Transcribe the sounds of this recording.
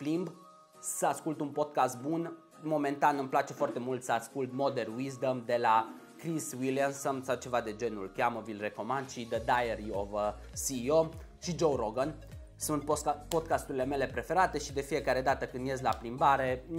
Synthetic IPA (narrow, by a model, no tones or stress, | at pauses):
plimb | səaskult̪unpo̞d̪̚kast̪̚bun | mo̞me̞nt̪anɨmplat͡ʃe̞foart̪e̞mult̪səaskult̪̚mo̞d̪erwizd̪əmd̪e̞la | kɾiswiliansəmsat͡ʃe̞vad̪e̞d͡ʒe̞nṵlkʲaməvilre̞ko̞mand̪ʃid̪əd̪ajeɾiovə | siːo̞ | ʃid͡ʒowɾoɡən | sunt̪po̞d̪̚kast̪uɾile̞me̞le̞pɾe̞fe̞ɾat̪e̞ʃid̪e̞fije̞kaɾe̞d̪at̪əkɨnd̪jezʲlaplimbaɾe̞